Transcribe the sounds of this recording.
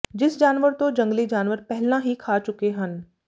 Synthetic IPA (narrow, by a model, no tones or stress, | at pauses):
d͡ʒɪsd͡ʒaːnʋəɾt̪od͡ʒɐ̃ŋɡlid͡ʒaːnʋəɾpɛɦlnaɦikʰaːt͡ʃʊkeɦən